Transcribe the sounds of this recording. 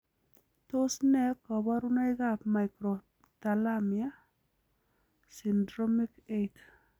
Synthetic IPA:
tosnɛkɔβaɾunajɡapmajkɾo | t̪alamia | sindɾomiket

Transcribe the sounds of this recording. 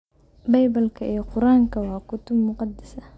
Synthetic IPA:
bɛjbɐlkʰɐʔɛːqʊɾaːŋkʰɐwaːkʊt̪ʊbmʊqɑd̪ɐsɐ

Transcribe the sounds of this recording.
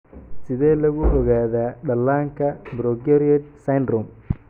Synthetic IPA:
sɪðɛːlɐɣʊʔɔɣaːðaːɖɐlːaːŋkʰɐbɾɔɡɛɾiɛd̪sɐjndɾɔm

